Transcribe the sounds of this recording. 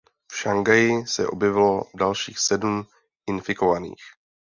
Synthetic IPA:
fʃaŋɡajɪsɛʔo̞bjɛvɪlo̞dalʃiːxsɛdum | ʔɪnfɪko̞vanḭːx

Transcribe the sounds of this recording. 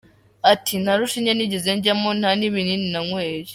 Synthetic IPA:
atʰin̥aɾuʃiɲeniɟeze̞ɲɟamon̥haniβinininaŋweːɾi

